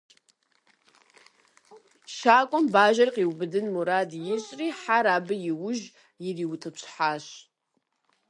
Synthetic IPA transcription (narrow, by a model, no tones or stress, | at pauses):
ʃaːkʷʼɔmbaːʒɐrqʼiwbɨdɨnmuɾaːdjɪɕʼriːħaɾaːbɨjɪwʊʒ | jɪriwtʰɐpɕħaːɕ